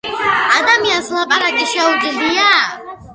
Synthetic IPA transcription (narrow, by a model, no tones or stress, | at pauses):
ad̪amjazlapʼaɾakʼiʃawɡiɮija